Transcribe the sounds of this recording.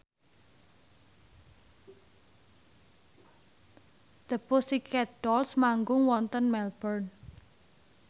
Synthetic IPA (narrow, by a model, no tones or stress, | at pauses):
d̪̥əpʊsikɛd̥ɔlsmaŋɡʊŋwɔnt̪ənmɛlb̥ərn